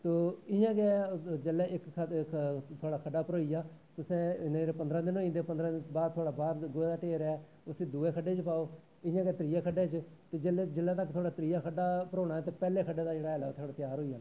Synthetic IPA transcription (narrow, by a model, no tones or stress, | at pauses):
t̪oːɪjãːɡɛd͡ʒelɛːɪk | t̪ʰoaːɽaːkʰəɖaːpəɾoːijaːt̪ʊsẽːɪnãːd͡ʒeːɾeːpənd̪ɾãːd̪ɪnoːĩːd̪eːpənd̪ɾãːɪbaːd̪t̪ʰoaːɽaːbaːɾɡoːeːd̪aːʈeːɾɛɛː | ʊsiːd̪ueːkʰəɖeːt͡ʃpaːoː | ɪjãːɡɛːt̪ɾɪjeːkʰəɖeːt͡ʃt̪eːd͡ʒld͡ʒɪlːɛːt̪əkːt̪ʰoːɽaːt̪ɾɪːaːkʰəɖaːpəɾoːɽ̃aːɛːt̪eːpɛːleːkʰəɖeːd̪aːd͡ʒeːɽaːɛlaːt̪ʰoaːɽaːt̪ɪjaːɾɦoːiːjaːnː